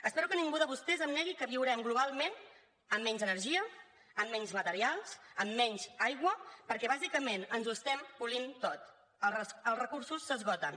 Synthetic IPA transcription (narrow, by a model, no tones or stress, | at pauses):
əspɛɾukəniŋɡuðəβust̪ɛzəmnɛɣikəβiwɾɛmɡluβalˠmen | əmːɛɲzənərʒiə | əmːɛɲzmət̪əɾialˠsəmːɛɲzajɣwəpəɾkɛβ̞azikəmenənzuəst̪ɛmpulint̪ot̪ | ələəlˠrəkuɾsusːəzɣɔt̪ən